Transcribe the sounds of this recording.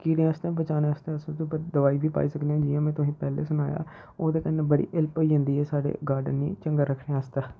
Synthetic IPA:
kiːɽẽːast̪ẽːbət͡ʃaːnẽːast̪ẽːəst̪upəd̪əʋaːiːbiːpa̰ːiːsəkd̪eɛ̃ːd͡ʒɪːãːmɛ̃ːt̪ʊsĩːpɛːlḛːsʊnaːja̰ː | oːd̪eːkənːẽːbəɽḭːʔɪlpoiːɦʊ̃nd̪iːɛːsaːɖḛːɡaːɾɖənːḭːt͡ʃəŋɡaːɾəkʰneːaːst̪ɛː

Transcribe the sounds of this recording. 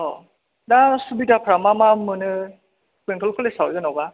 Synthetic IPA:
ɔ | dasubitapʰɾamamamɯnɯ | keŋkʰɔlkʰɔlesawzɯnɔwba

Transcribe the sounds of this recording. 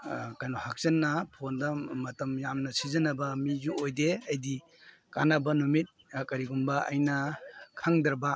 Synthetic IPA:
kajnɔhak̚zɐnːɐpʰondɐmɐtɐmjamnɐsizɐnɐbɐmizuojdeɐjdi | ka̰nɐbɐnumit̚kɐɾiɡumbɐɐ̰jnɐkʰaŋdɐɾbɐ

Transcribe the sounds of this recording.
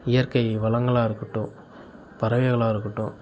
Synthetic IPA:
ɪjɐɾkɐɪʋɐlɐŋɡɐɭaːɪɾɯkːɯʈːʊ̃ | pɐɾɐʋɐɣɐɭaːɪɾɯkːɯʈːʊ̃

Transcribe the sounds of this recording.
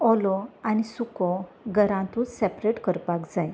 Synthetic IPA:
ɔlɔanisukɔ | ɡəɾãt̪ũt͡ssɛpɾeʈkəɾpakd͡zaj

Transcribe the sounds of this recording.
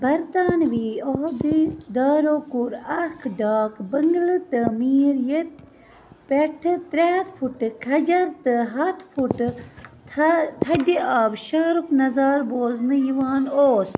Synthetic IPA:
bɐɾt̪aːnʋiːoɦd̪id̪aːɾoːkuɾɐkʰɖaːkbɐŋɡlɨt̪ɨmiːɾjet̪ | peʈʰɨt̪ɾeːt̪fʰuʈkʰɐd͡ʒɐɾt̪ɨɦɐt̪ʰfʰuʈ̪ʰ | t̪ʰɐd̪iaːbʃaːɾuknɐzaːɾboːznɨjiʋaːnoːs

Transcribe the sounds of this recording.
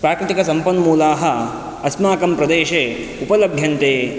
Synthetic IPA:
pɾaːkɾɪt̪ikɐsɐmpɐnmuːlaːɦɐ | ɐsmaːkɐmpɾɐd̪eːʃeː | upɐlɐbʱjɐnt̪eː

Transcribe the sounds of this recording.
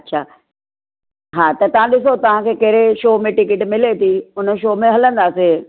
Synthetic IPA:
ɐtːɕʰaː | ɦaːt̪ɐt̪ɐʋ̤ãɗɪsot̪ɐʋ̤ãkʰeːkɐɦɾeʃoːmẽʈɪkɪʈmɪlet̪ʰiʊnə̆ʃoːmẽɦɐlə̃nd̪aːse

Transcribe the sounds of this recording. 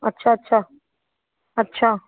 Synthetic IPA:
ɐtːʃʰaətːʃʰa | ɐtːɕʰaː

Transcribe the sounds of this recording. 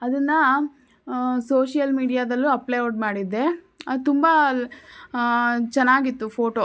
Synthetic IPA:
ɐd̪ɐnːɐ | soːʃijɐlmiːɽijaːd̪ɐlːuɐplejoɖmaːɽid̪ːe̞ | ɐt̪umbɐ | t͡ʃɛnːaːɡit̪ːupʰoːʈo

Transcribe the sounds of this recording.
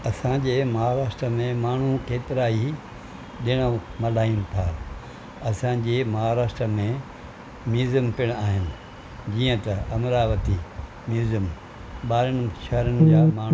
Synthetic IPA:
ɐsãd͡ʑeːmɐɦaːɾaːʃʈɾəmẽmaːɳ̤ũkeːt̪ɪɾaːi | ɗɪɽ̃əmɐlaːijũnt̪ʰaː | ɐsãd͡ʑeːmɐɦaːɾaːʃʈɾəmẽ | mjuːzəmpɪɽ̃aːɦɪnɪ̆ | d͡ʑiːə̃t̪ɐʔɐmɾaːʋət̪i | mjuːzəm | ɓaːɾɪñɪ̆ʃɐɦəɾənɪ̆d͡ʑaːmaː

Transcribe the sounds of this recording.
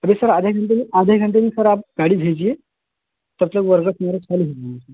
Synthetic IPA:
əbesəɾad̪ʱjakʰəɳʈ̪eniʔad̪ʱjakʰəɳʈ̪̬eniːkəɾap̚ɡaɽiːd̪ʱed͡ʑije | t̪əɾt̪ləkʋəɾɡəsməɾəkʰaliɦet̪asi

